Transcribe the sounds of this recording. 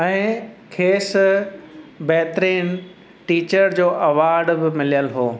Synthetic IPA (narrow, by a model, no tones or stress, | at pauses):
ɛ̃ːkʰeːs | bɛɦt̪ɾiːn | ʈiːt͡ɕəɾd͡ʑoːʔɐʋaːɾɖbɪmɪlijəlɦoː